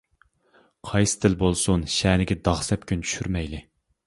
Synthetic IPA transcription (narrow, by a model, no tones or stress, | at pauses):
qʰɑjsɨ̥t̪ʰɪlbolˠsunʃɛːnɪɡʲɛd̪ɑʁsɛpkʲʰynt͡ʃʰy̥ʃyɾmɛjlɪ